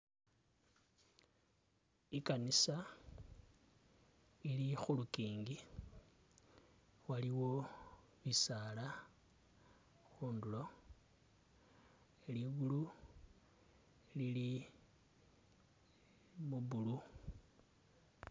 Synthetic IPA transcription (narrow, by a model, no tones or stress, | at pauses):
ikanisa | ilixulukiːŋɡi | waliwo̞ | βisaːla | xuːndulo̞ | eliɡulu | lili | muβulu